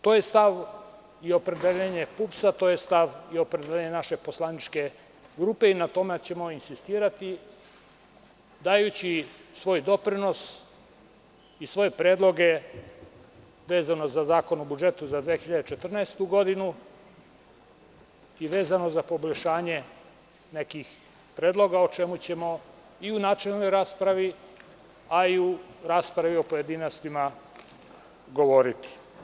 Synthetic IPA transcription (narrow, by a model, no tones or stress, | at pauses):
t̪o̞ːje̞st̪aʋ | io̞pɾe̞d̪eʎeɲe̞pupsat̪o̞ːjest̪aʋio̞pɾed̪eeɲenaʃe̞po̞slˠanit͡ʃke̞ | ɡɾuːpe̞inat̪o̞met͡ɕe̞mo̞insist̪iːɾat̪i | d̪aːjut͡ɕisʋo̞ːjd̪o̞pɾino̞s | isʋo̞jepɾe̞ːd̪lˠo̞ɡe̞ | ʋe̞ːzano̞zazaːko̞nobud͡ʒe̞t̪uzad̪ʋeːxiʎad̪et͡ʃe̞t̪r̩naest̪uɡo̞d̪inu | iʋe̞ːzano̞zapo̞boʎʃaːɲe̞ | ne̞kix | pɾeːd̪lˠo̞ɡaot͡ʃe̞mut͡ɕe̞mo̞ | iunaːt͡ʃellno̞jɾaːspɾaʋi | aiuɾaːspɾaʋio̞poje̞d̪inost̪ima | ɡo̞ʋo̞ɾit̪i̥